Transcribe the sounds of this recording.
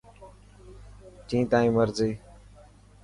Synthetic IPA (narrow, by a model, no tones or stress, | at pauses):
t͡ʃĩːt̪ãːĩːməɾziː